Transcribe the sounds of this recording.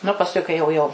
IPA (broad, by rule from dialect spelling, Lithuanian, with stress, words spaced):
nʊ pɐsˈkʊɪ kɐɪ jɛʊ ˈjɛʊ